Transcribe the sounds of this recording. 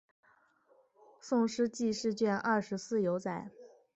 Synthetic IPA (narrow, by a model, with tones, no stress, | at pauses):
sʊ˥˧ŋʂɻ̩˥t͡ɕi˥˧ʂɻ̩˥˧t͡ɕɥɛ˥˧nʔɐ˥˩ʂɻ̩˧˥sɹ̩˥˩jo˧˥ʊt͡sa˨˩˦ɪ